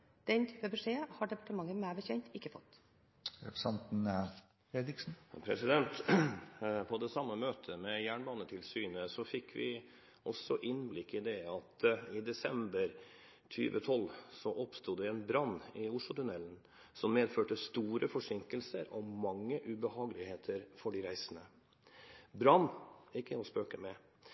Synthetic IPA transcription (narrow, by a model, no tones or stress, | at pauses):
d̪̥ɛnt̪ʰyːpəbɛʂeːhɑɖɛpɑʈəmɑŋːəmæːbəçɛnt̪ɪkːəfɔt̪ː | ɾɛpɾəsɛnt̪n̩ | ed̪ɪksn̩pʰɾɛ̰sɪd̪ɛnt̪ | pʰɔd̪ɛsɑmːəmøːt̪ʰəmɛjæːɳmɑnːət̪ʰɪlsyːnəsɔfɪkʰːʋɪ̰ | ʔɔsɔʔɪnblɪkːɪd̪ɛɑt̪ɪd̪ɛsɛmbəɾ | t̪ʰy̰ːʋə̰t̪ʰɔlːsɔʔɔpst̪uːd̪ɛɛnbɾɑnːɪʊʂlʊt̪ʰʉnɛlːn̩ | sɔmːeːd̪føːʈəst̪uːɾəfɔʂɪŋkəlsəɾɔmɑŋːəʔʉbəhɑːɡəlɪheːt̪ʰəɾfɔɖɪɾæɪsənə | bɾɑnːɪkːəɔspøːkəmɛ